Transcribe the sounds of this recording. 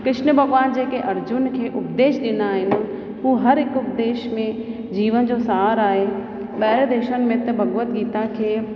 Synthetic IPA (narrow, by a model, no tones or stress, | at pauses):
kɾɪʃnəbʱɐɡʋaːnd͡ʑeːkeʔɐɾd͡ʑʊnkʰeːʔʊpd̪eːʃɗ̪ɪnd̪aːɦɪnɪ̆ | ɦũːɦɐɾɪkʊp̚d̪eːʃmẽ | d͡ʑiːʋənd͡ʑosaaɾaːɦe | ɓɐɦɪɾd̪eːʃənɪ̆mẽt̪ɐbʱɐɡʋət̪ɡiːt̪akʰeː